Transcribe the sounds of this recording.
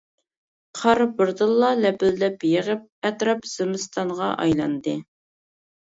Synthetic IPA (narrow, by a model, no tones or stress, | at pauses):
qʰɑɾbɨɾd̪ɨlˠːɑlɛpɪld̪ɛpjɪʁəp̚ɛt̪ɾɑpz̥ɪmɨst̪ʰɑɴʁɑʔɑ̰jlˠɑnd̪ɨ